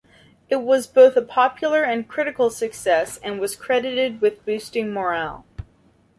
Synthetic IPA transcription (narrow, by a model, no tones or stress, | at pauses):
ɨt̚wʌzboʊθəpʰɑpjl̩ˠə˞ɨ̃nkʰɹ̥ɪɾɨkl̩ˠsɨksɛsɨ̃nwʌz̥kʰɹ̥ɛɾɨɾɪd̚wɨðbʉstɪ̃ŋmɔɹælˠ